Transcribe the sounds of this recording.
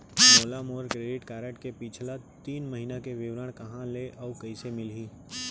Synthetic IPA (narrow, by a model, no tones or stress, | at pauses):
moːlamoːɾkɾeːɖɪʈkaːɾeʈkepit͡ʃʰlat̪iːnməɦinakeʋɪʋɾəɽ̃kɐɦãleʔɔːkɐɪsemɪlɦĩː